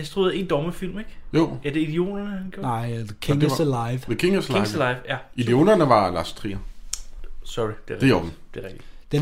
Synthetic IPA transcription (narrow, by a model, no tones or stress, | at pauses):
hænsd̥ʁuðˠe̝nd̥ɒːməfil̰meɡ̥jo̰ːæd̥e̝id̥io̝̰ːdɐnəhænɡ̥ʰonɑ̈ɪ̰ðəkʰeŋsəläɪʋðəkʰeŋslɪlaɪʋjæ | id̥io̝̰ːdɐnəʋɑ̈lɑ̈st͡sʰʁḭːɐ | sɒʁid̥edeomd̥eʁɛɡ̥̚d̥i̥d̥e